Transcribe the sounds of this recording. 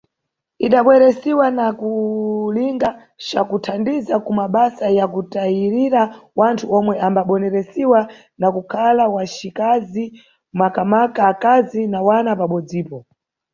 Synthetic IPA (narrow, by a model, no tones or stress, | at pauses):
iɗaɓwɛɾɛsiwanakuliŋɡa | t͡ʃakutʰandizakumaɓasajakutaiɾiɾawantʰuɔmwɛʔambaɓɔnɛɾɛsiwa | nakukʰalawat͡ʃikazi | makamakaːkazinawanapaɓɔd͡ziːpɔ